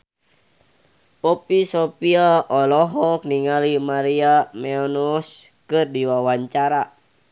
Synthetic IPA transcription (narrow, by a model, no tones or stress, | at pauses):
pɔpisɔpiaɔlɔɦɔk̚niŋalimaɾiamɛɔnɔs | kɨrdiwawaɲt͡ʃaɾa